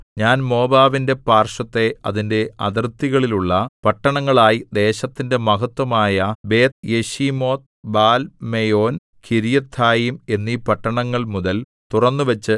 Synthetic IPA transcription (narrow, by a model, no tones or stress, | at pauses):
ɲaːnmo̞ːbaːʋinde̞paːrʂɐt̪ːe̞ɐðinde̞ɐd̪ɐrt̪ːiɣɐɭiluɭːɐpɐʈːɐɳɐŋːɐɭaːjid̪e̞ːɕɐt̪ːinde̞mɐɦɐt̪ːwɐmaːjɐbe̞ːt̪̚jeɕimo̞ːt̪̚ | baːlmejo̞ːn | kʰiɾijɐt̪ʰːaːjume̞nːiːpɐʈːɐɳɐŋːɐɭmuðɐl | t̪urɐnːuʋɐt͡ɕːɨ